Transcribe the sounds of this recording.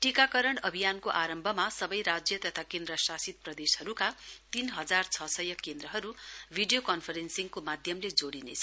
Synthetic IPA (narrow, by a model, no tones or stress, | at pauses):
ʈikakʌɾʌɽʌbʱijankoʔaɾʌmbʱʌmasʌbʌjɾad͡zjʌt̪ʌt̪ʰakend̪ɾʌsasit̪̚prʌd̪eshʌɾukat̪inɦʌd͡zart͡sʰʌsʌjʌkend̪ɾʌɦʌɾubʱiɖijokʌnpʰʌɾensiŋkomad̪ʱjʌmled͡zoɽinḛt͡sʰʌ